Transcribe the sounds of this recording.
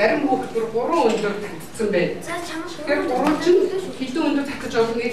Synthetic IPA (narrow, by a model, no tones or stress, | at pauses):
æɾʲɪ̆mpuːxt̪ɵ̆rɢʊɾʊːŋɵnt̪ɵ̆rt̪ʰat̪ʲɪ̥̆sə̆mpæːntʰxerɢʊɾʊːt͡ɕʰɪ̆nxet̪uːŋɵnt̪ɵ̆rt̪ʰḁt̪ʲɪ̆t͡ɕpɔsɞ̆niː